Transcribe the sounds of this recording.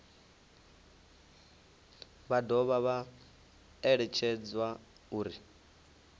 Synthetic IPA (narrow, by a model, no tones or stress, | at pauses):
βadɔβaβa | ɛɺɛt͡ʃʰɛd͡zwa | uːɾi